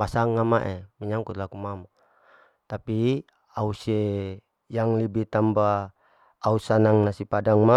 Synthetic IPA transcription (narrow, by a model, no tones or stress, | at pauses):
asaŋːamaʔɛmiɲaŋkut̪lakumama | t̪api | ausie | jaŋlibit̪ambaː | usanaŋnasipadaŋma